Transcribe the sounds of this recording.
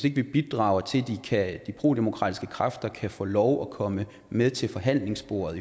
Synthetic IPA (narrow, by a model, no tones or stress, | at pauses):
se̝ɡ̥əʋib̥id̥ʁɑ̰̈ʊɐt͡sʰe̝ld̥ikʰæd̥ipʰʁo̝ːd̥emo̝kʰʁɑ̰ːdisɡ̥əkʰʁɑfd̥ɐkʰæfɔ̰̽ːlɒʊɒ̽kʰɒ̽mə | meðˠt͡sʰe̝lfɒ̽ɦæn̰le̝ŋsb̥o̝̰ːɐðˠ